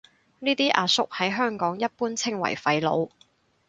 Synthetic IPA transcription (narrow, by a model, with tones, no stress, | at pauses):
niː˥t̪iː˥ʔaː˧sʊ˥k̚hɐ˨˥jɦœː˥ŋkɔː˨˥ŋjɐ˥t̚puː˥nt͡sʰɪ˥ŋwɐ̰˨˩jfɐ˧jlo̰˨˧w